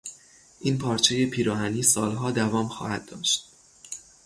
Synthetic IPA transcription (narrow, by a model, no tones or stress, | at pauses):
ʔiːnpʰɒːɾt͡ʃʰeje̞pʰiːɾɒːhæniːsɒːlɦɒːd̪ævɒːmxɒ̰ːhæd̪̚ːɒːʃt̪̚